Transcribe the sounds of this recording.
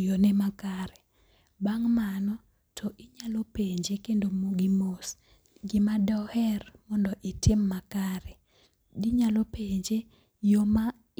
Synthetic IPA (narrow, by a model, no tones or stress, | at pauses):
jonɛmakaɾɛ | baŋmanɔ | tʰɔʔɪɲalopeɲd͡ʒekendomoɡɪmos | ɡɪmadɔhɛrmɔndɔʔɪtʰɪmːakaɾɛ | dɪɲalɔpeɲd͡ʒe | joma